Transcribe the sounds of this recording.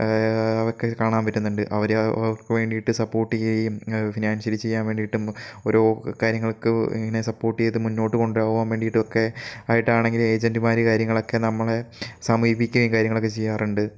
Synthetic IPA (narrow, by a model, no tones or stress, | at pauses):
ɐʋokːekaːɳaːnpɐtːunːuɳɖɨʔɐʋɐɾ̰kːɨʋe̞ːɳɖiiʈːɨsɐpːo̞ːrʈːɨeifinaːnsɐlt͡ɕe̞jːaːnʋe̞ːɳɖijiʈːumo̞ɾo̞ːkaːɾjɐŋːɐɭkːɨḭŋːɐne̞sɐpːo̞ːrʈːɨejðɨmunːo̞ːʈːɨko̞ɳɖuɾaːɣuʋaːnʋe̞ːɳɖijiʈːɨokːe̞aːjiʈːaːɳe̞ŋɡile̞ːd͡ʑendimaːɾikaːɾjɐŋːɐɭo̞kːe̞nɐmːɐɭesaːmiːbikʲːuʋɐiŋkaːɾjɐŋːɐɭokːet͡ɕejːaːruɳɖɨ